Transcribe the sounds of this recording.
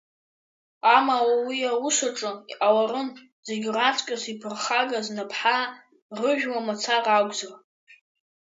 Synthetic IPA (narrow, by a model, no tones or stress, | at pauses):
amawawiawusaʈ͡ʂʼɨḭʔawarɨn | zeɡʲrat͡sʰʷʼkʼasipʰɨrχaɡaznapʰħa | rɨʒᶣwamat͡sʰarʼaɡʷʼzar